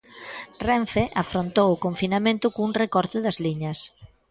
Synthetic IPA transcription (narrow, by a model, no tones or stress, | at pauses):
rɛɱfeʔafɾont̪owʊkoɱfinamẽnt̪ʊkouŋrekɔɾt̪ɪðɐzliɲɐs